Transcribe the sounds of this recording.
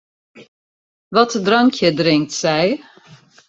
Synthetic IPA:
vɑtədrɑŋkʰjədrɪŋk̚tsɛj

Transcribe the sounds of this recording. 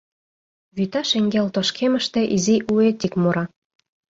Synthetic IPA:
βyt̪ɑʃeŋɡelt̪oʃkʰemə̆ʃt̪ĕʔiziʔuet̪ikmuɾɑ

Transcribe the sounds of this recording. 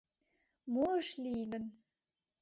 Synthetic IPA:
moəʃlʲiɡə̆n

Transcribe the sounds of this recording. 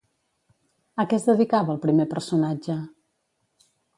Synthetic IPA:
əkɛzðəðikaβəːlˠpɾimepərsunad͡ʒə

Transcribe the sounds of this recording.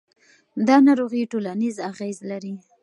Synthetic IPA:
d̪ɑnɑɾoɣiʈolanizaɣezlaɾi

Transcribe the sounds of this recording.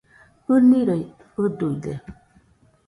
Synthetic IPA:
uniɾə | ududḛ

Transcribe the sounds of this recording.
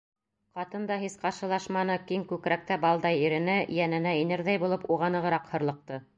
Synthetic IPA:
qɑt̪ɤnd̪ɑɦisqɑɾʃɤ̆lˠɑʃmɑnɤkiŋkʉkɾæk̚t̪æbɑlˠd̪ɑjiɾɘ̆nɘjænɘ̆næinɘɾðæjbulˠɤpuʁɑnɤ̆ʁɤ̆ɾɑqhɤ̆ɾlˠɤ̆q̚t̪ɤ

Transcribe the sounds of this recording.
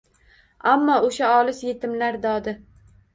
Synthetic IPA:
amːɒoʃaɒlɪsjet̪ʰɪmlaɾd̪ɒd̪ɪ

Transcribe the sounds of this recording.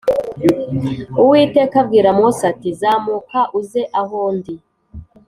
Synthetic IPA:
uwiːte̞ːkabɡiːɾamŋosatizaːmukaʔuzeʔahoːndi

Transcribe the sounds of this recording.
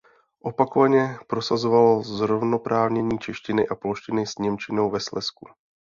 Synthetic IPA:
ʔo̞pakovaɲɛpɾo̞sazo̞valozɾo̞vno̞pɾaːvɲɛɲiːt͡ʃɛʃcɪnɪʔaplo̞ʃcɪnɪsɲɛmt͡ʃɪno̞wvɛslɛsku

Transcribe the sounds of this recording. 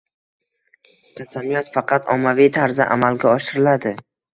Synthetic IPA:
k̪ʲʰasamijɒt̪fɑqʰɑt̪ʰɒmːavijt̪ʰaɾza̰ʔa̰malɡʲaɒʃɪɾɪlad̪ɪ

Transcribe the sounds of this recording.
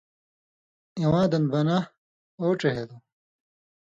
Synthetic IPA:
iwãːd̪ɐnbɐna | oːʈ͡ʂeɦed̪o

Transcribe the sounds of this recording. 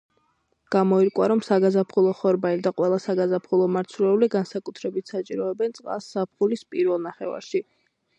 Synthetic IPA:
ɡ̥amɔiɾkʼwaɾɔmsaɡazapʰχulˠɔχɔɾbaiɾd̪aqʼwɛlˠasaɡazapʰχulˠɔmaɾt̪sʰulɛuliɡansakʼut̪ʰɾɛbit̪ʰsat͡ʃʼiɾɔɛbɛnt̪sʼqʼa̰sːap̚χulispʼiɾvɛlˠnaχɛva̰ɾʃi

